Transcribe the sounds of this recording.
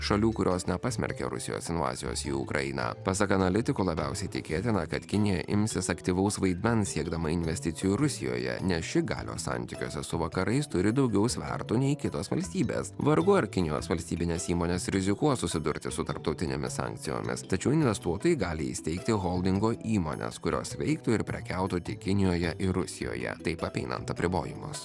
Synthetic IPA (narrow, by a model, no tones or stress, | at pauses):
ʃɐlʲuːkʊɾʲʔoːsnʲɛpɑsʲmʲɛ̰ɾʲkʲɛ̰ɾʊ̰sʲɪjo̰ːsɪnʋɑ̰ːzʲɪjo̰ːsḭːʊ̰kɾɐ̰jɪnɑ̰ːpɐsɐkɐnɐlʲɪt̪ʲɪkuːlˠɐbʲɛʊsʲɛɪt̪ʲɪkʲeːt̪ʲɪnɐkɐt̪kʲɪnʲɪjɛ̰ʔɪmʲsʲɪsɐkt̪ʲiʋɐʊsʋɐɪd̪ʲmʲɛnsʲiɛɡd̪ɐmɐɪnʲʋʲɛsʲt̪ʲɪt̪sʲɪjuɾʊsʲɪjo̰ːjɛ̰nʲɛsʃʲɪɡɑ̰ːlʲo̰ːsɑ̰nʲt̪ʲɪkʲoːsʲɛsʊʋɐkɐɾʔɐɪst̪ʊɾʲɪd̪ɒʊɡʲɛʊsʲʋʲɛ̰ɾt̪uːnʲɛɪikʲɪt̪oːsʋɐlʲsʲt̪ʲiːbʲḛːsʋɐɾɡʊɐɾkʲɪnʲɪjo̰ːsʋɐlʲsʲt̪ʲiːbʲɪnʲeːsiːmoːnʲeːsɾʲɪzʲɪkuɔsʊsʲɪd̪ʊɾʲt̪ʲɪsʊt̪ɐɾp̚t̪ɒʊt̪ʲɪnʲḛmʲɪ̰ssɑ̰ŋkt̪sʲɪjo̰ːmʲɪ̰st̪ɐt͡ʃʲɛʊɪnʲʋʲɛst̪uɔt̪oːjɪɡɑːlʲɪḭst̪ɛɪk̚t̪ʲɪɣoːlˠd̪ʲɪŋɡoːʔiːmo̰ːnʲɛ̰skʊɾʲo̰ːsʋʲɛɪkt̪uːɪɾpʲɾʲɛkʲæʊt̪ut̪ʲɪkʲɪnʲɪjoːjɛʔɪɾʊsʲɪjo̰ːjɛ̰t̪ɐɪpɐpʲɛɪnɐ̰nt̪ɐpʲɾʲɪbo̰ːjɪmʊ̰s